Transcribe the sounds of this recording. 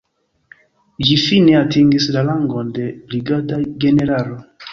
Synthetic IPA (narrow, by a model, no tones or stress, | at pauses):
d͡ʒifine̞atiŋɡislalaŋɡo̞nde̞bɾiɡataɡe̞ne̞ɾalo